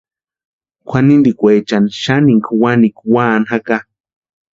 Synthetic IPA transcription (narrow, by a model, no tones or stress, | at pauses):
kʷʰanind̪ikʷet͡ʃanʃaniŋkʰwanikʷwaːnhaka